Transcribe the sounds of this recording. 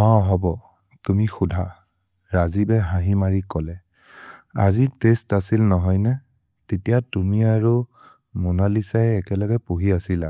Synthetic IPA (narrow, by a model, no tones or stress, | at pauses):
ɔɦɔbɔ | tumixudʱa | ɹazibɛɦãɦimaɹikɔlɛ | a̰zitestasilnɔɦɔjnɛ | tetijatumiaɹu | munalisajɛkɛlɔɡɛpoɦiasila